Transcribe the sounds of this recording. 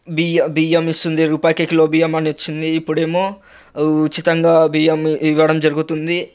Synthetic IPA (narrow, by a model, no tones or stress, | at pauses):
bijbijɐmist̪und̪iɾuːpaːjɐkekilo̞ːbijɐmɐniʋɐt͡ʃːind̪iːpːuɽe̞ːmoː | t͡ʃːit̪ɐŋɡaːbijɐmiʋɐɽɐmd͡ʒɐɾuɡut̪und̪i